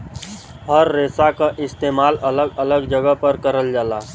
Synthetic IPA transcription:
ɦəɾːeːsakaʔɪst̪eːmaːlɐləɡələɡd͡ʒəɡəɦpəɾkəɾəld͡ʒaːlaː

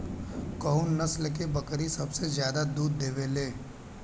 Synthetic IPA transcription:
kɐʊnːɐslk̬ebɐkɾisɐbsezjaːd̪ad̪uːd̪d̪eːʋeːleː

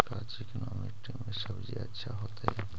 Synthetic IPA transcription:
kat͡ʃeknɔmikʈimẽsəbd͡ʒiɐ̰tːʃʰaɦoːt̪aɦɛ

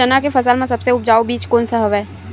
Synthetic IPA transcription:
ɐnakefɐsəlmẽsɐbseʊp̚d͡ʒaːobiːt͡ʃkoːnsəɦəʋɦɛː

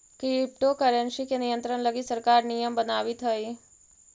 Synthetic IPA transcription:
kip̚ʈokəɾənsikenijənt̪ɾənləɡisəɾkaɾnijəmbənaʋit̪ʰəji

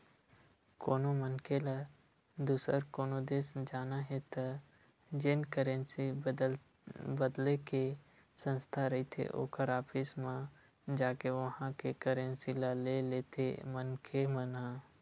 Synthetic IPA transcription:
koːnomənkela | d̪uːsəɾkoːnod̪eːsd͡ʒaːnaɦet̪ʰə | d͡ʒɪnkəɾẽnsi | bəd̪leke | sə̃nst̪ʰaɾəit̪ʰḛʔo̰ːkəɾaːpʰɪsmã | d͡ʒaːkeʋəɦãkekəɾẽnsilaleleːt̪ʰemənkʰeməna

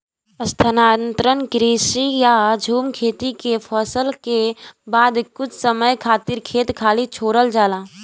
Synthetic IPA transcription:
əst̪ʰənaːnt̪ɾənkɾiːsijad͡ʒʱuːmkʰeːt̪ikepʰɔːsəlkebaːd̪kʊt͡ʃʰsəməjkʰaːt̪ɪɾkʰeːt̪kʰaːlit͡ʃʰoːɾəld͡ʒaːlaː

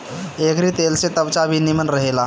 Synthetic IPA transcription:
ekɾit̪elset̪əbt͡ʃabʱinimənɾəɦela

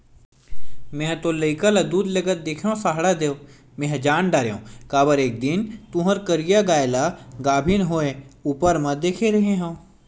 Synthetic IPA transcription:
mẽɦt̪olɐɪkəlad̪uːd̪lɐɡət̪̚d̪eːkʰjõsaːɦɽad̪eːo | mẽɦd͡ʒaːnɖaːɾejõ̰ːkaːbəɾeːk̚d̪ɪnt̪ũɦəɾkəɾijaɡaːjlaɡaːbʱinɦoːẽuːpəɾmɐ̃d̪eːkʰeɾɐɦeɦɛ̃

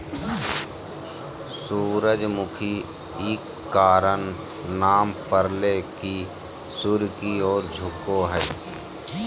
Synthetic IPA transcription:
suːɾəd͡ʒmʊkʰi | iːkːaːɾən | naːmpəɾleki | suɾkiɔːɾd͡ʒʱʊkːoɦɛː

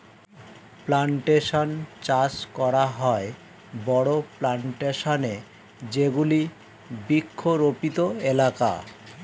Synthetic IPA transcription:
plaɳʈeʃont͡ɕat͡ɕkɔɾaɦɔe | bɔɽoplaɳʈeʃone | d͡ʑeɡuli | bikʰːoɾopit̪oelaka̰

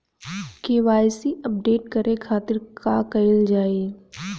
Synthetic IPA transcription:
keʋaːjsiɐp̚ɖeːʈkɐɾʔekʰaːt̪ɪɾkaːkɐɪld͡ʒaːeː

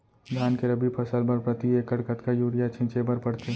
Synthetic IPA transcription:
d̪ʱaːnkeɾɐbipʰɐsəlbɐɾpɾɐt̪ieːkɐɽkət̪kajuːɾijat͡ʃʰɪ̃nt͡ʃebɐɾpɐɽt̪e

